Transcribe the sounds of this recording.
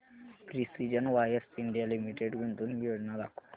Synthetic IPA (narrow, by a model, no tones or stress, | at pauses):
pɾisid͡ʒɐnʋajeɾsiɳɖijalimiʈeɖɡunt̪unbijoːd͡ʒɐnalaku̥